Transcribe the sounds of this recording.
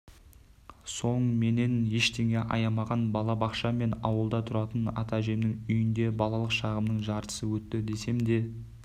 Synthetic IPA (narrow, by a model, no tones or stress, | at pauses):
so̞ɴəme̞ne̞nje̞ʃt̪ʰe̞ŋe̞ʔɑ̰jɑmɑʁɑnbɑlˠɑbɑqʃɑme̞nɑwəlˠd̪ɑt̪ʰʊɾɑt̪ənɑ̰t̪ɑʒe̞mnɪŋʏjɪnd̪e̞bɑlˠɑlˠəqʃɑʁəmnəɴʒɑɾt̪ə̥səwɵt̪ːɪd̪e̞se̞md̪e̞